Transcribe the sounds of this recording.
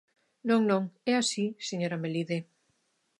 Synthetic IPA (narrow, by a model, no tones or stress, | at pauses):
nõŋnõŋɛasiseɲoɾameliðe